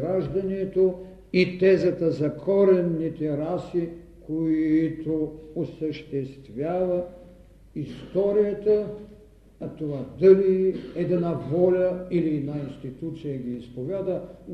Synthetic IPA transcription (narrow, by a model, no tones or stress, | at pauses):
ɾaʒd̪ɐnɛt̪o | it̪ɛzɐt̪əzɐkʰɔɾɛnːit̪ɛɾasi | kʰoit̪oosəʃt̪ɛst̪vʲjavɐ | ist̪ɔɾijət̪ə | ɐt̪ovad̪əliɛd̪ɛnavɔlʲəiliɛd̪nainst̪it̪ut̪sijəɡʲiːspovʲjad̪ə